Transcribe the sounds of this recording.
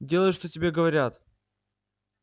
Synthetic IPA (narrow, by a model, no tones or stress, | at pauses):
dʲe̞lˠəjʂt̪otʲɪbʲeɡəvɐɾʲat̪